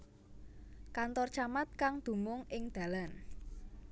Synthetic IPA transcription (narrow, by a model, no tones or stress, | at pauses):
kant̪ɔrt͡ʃamat̪̚kaŋd̪̥ṳmʊŋʔɪŋd̪̥ä̤lan